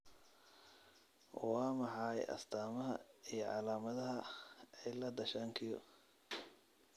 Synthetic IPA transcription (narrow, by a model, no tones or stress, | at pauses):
wɑːmɑħɑjɐ̰st̪ʰaːmɐɦɐ̰ijɞʕɑ̰laːmɐðɐɦɐɛjlɐd̪ɐʃaːŋkʰɪjɔ̰